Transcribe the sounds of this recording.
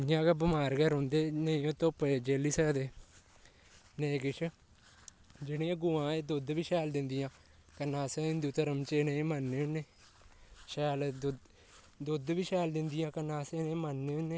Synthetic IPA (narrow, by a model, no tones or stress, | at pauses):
jãːkabəmaːɾɡəɾɦõːnd̪eːnəĩːoːt̪opːd͡ʒeːliːsəkd̪eː | neĩkɪt͡ʃʰ | d͡ʒɪɽ̃ẽːə̃ɡʊːãːeːd̪ʊd̪ʋiːʃɛːld̪ɪnd̪ijãː | kənãːseɪ̃nd̪uːt̪əɾəmt͡ʃeneĩːmənːeːʊnːeː | ʃɛːld̪ | d̪ʊd̪ʋiːʃɛːld̪ɪnd̪ijãːkənãːsenẽmənːeːʊneː